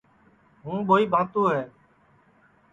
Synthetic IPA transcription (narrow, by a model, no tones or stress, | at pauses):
ɦũːɓoːiːbʱãːt̪oːɦɛː